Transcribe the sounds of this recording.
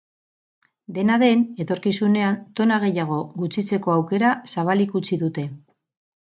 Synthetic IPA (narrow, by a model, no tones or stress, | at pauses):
d̪e̞naðe̞ne̞t̪o̞ɾkisune̞ant̪o̞naɣ̞e̞jaɣ̞o̞ɣut͡sit͡se̞ko̞awke̞ɾasaβ̞alikut͡siðut̪e̞